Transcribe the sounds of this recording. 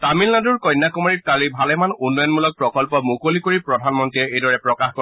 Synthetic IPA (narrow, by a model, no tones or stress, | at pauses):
tamilnaduɹkɔjnːakumaɹit̚kalibʱalɛmanunːɔjɔnmulɔk̚pɹɔkɔlpɔmukolikoɹipɹɔdʱanmɔntiɛejdɔɹɛpɹɔkaxkɔ